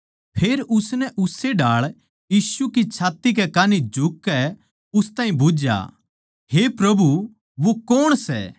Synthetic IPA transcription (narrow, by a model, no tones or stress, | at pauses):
pʰeːɾʊsnɛʔʊsːeɖaːɭ | jiːsukit͡ʃʰaːt̪ikɛkaːnid͡ʒʱʊkːɛ | ʊst̪aːĩbuːd͡ʒja̰ | ɦepɾɐbu | ʋokɔːɽ̃sɛ̰ː